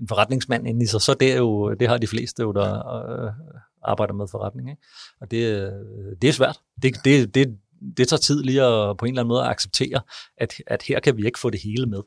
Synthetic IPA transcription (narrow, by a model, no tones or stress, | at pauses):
fɒʁɑ̈d̥ne̝ŋsmæn̰en̩isɑsɒ̽d̥ejo̝d̥e̝ɦɑ̈d̥ifle̝̰ːsd̥əjo̝d̥ɑ̈ | ʔɑ̈ːb̥ɑ̈ɪd̥ɐmeðˠfɒʁɑd̥ne̝ŋeɡ̥ɒ̽d̥e̝ | d̥e̝æsʋæɐ̰d̥ | d̥e̝d̥e̝d̥e̝ | d̥e̝t͡sʰɑ̰̈ːt͡sʰið̞̰ˠliːɒpʰɒ̽e̝nlæn̩mɔːðˠɐɑ̈ɡ̥seb̥̚t͡sʰe̝̰ːɐʔæd̥æd̥heɐ̰kʰæʋie̝ɡ̥əfɔ̰̽ːd̥e̝he̝ːləmeðˠ